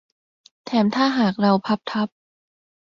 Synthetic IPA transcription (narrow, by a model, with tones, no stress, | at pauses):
t̪ʰɛː˩˦mt̪ʰaː˥˩ɦaː˨˩k̚ɾa˧wpʰa˦˥p̚t̪ʰa˦˥p̚